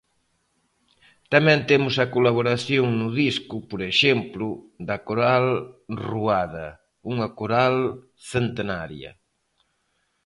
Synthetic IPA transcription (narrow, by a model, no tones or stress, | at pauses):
t̪ɐmɛ̃nt̪emʊsɐkolaβoɾaθjoŋnʊðiskʊpoɾeʃemplʊd̪ɐkoɾalruaðɐ | uŋɐkoɾal | θent̪enaɾjɐ̰